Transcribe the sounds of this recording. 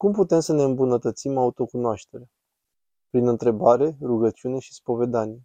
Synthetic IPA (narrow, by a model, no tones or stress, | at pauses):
kumput̪e̞msəne̞ɨmbunət̪ət̪simaut̪o̞kunoaʃt̪e̞ɾea | pɾinɨnt̪ɾe̞baɾe̞ruɡətt͡ʃiune̞ʃispo̞ve̞d̪anje